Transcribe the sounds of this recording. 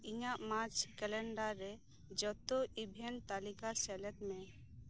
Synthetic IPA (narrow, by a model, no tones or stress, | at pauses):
iɲaʔmaɾt͡ʃʰkɛlɛɳɖaɾɛ | d͡ʒɔt̪oʔibʱɛnt̪alikasɛlɛt̪̚mɛ̃